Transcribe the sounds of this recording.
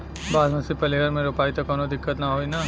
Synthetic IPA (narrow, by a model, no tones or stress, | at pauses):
baːlmɐsipɐleɡəɾmẽɾoːpaːit̪okɔːnod̪ɪkːət̪naɦoːina